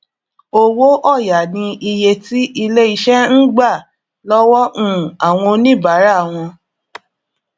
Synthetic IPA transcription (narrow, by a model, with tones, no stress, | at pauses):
o˧wo˦ʔɔ˦˨ja˨nĩ˧i˧je˧ti˦ʔi˧le˦i˧ʃɛ˦n̩˦ɡ͡ba˦˨ | lɔ˦wɔ˦ʔũ˦˨a˨w̃ɔ̃˧nĩ˦˨ba˨˦ɾa˦˨w̃ɔ̃˧